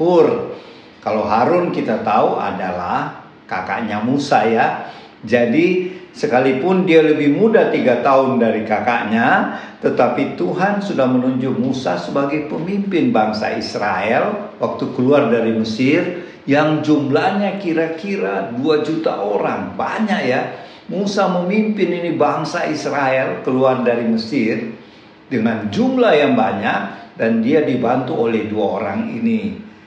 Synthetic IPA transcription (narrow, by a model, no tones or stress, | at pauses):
ʊr | kalowɦaɾʊnkit̪at̪aua̰dalah | kaka̰ʔɲamusaja | d͡ʒadisəkalipʊndialəbɪhmudat̪iɡat̪aʊndaɾikaka̰ʔɲat̪ət̪apit̪uɦansudahmənuɲd͡ʒʊk̚musasəbaɡajpəmimpɪnbaŋsa̰ḭsɾaɛlwak̚t̪ukəluardaɾiməsɪr | jaŋd͡ʒumlahɲakiɾakiɾaduad͡ʒut̪a̰ʔoɾa̰ŋbaɲaʔja | musaməmimpɪninibaŋsaisɾaɛlkəluardaɾiməsɪr | dəŋand͡ʒumlajaŋbaɲak̚dandiadibant̪uolɛhduaoɾa̰ŋḭni